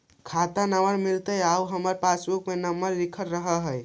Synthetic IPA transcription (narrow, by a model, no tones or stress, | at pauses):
kʰat̪anawəɾmilt̪əjauɦəməɾpasbukmenəmːəɾːikʰəɾɾəɦəɦəj